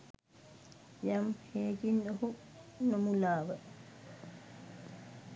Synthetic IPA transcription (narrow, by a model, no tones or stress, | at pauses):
jamheːd͡ʒinɗɔhu | nɔmulaːwa